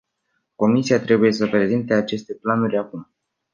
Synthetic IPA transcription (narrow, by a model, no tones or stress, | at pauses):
ko̞misijat̪ɾe̞buje̞s̬əpɾe̞zint̪eat͡ʃe̞st̪e̞planuɾʲakum